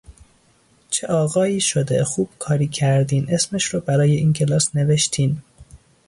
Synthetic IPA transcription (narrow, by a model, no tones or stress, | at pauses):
t͡ʃʰeʔɒːɣɒːiːʃod̪exuːb̥kʰɒːɾiːcʰæɾd̪iːnesmeʃɾoːbæɾɒːjeiːncʰe̞lɒːsne̞veʃt̪ʰiːn